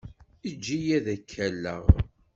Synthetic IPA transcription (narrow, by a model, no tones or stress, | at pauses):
id͡ʒːijæðækʰːælːə̰ʁ